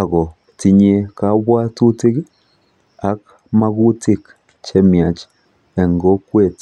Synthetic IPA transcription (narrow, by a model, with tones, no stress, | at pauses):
a˨ɡɔ˨ | ti˨ɲe˧ka˦bwa˦tu˦ti˦k | a˦k̚ | ma˦ɡu˦ti˦k | t͡ʃɛ˦mja˨t͡ʃ | ɛ˨ŋɡɔ˦kwe˨t